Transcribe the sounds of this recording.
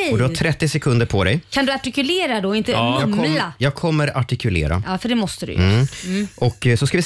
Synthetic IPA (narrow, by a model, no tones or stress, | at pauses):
ɔd̪ɵhaʈʰɾɛt̪ːɪsɛkʰɵnd̪əɾpʰɔd̪ɛjkʰand̪ɵaʈɪkʉleːɾad̪ɔɪnt̪əmʰɔlajɑːɡ̚kʰɔmːəɾaʈɪkʰʉlḛːɾa̰ʔɑːfœɖɛmɔst̪əd̪ʉ̰j | ʔɔkːsɔskavɪ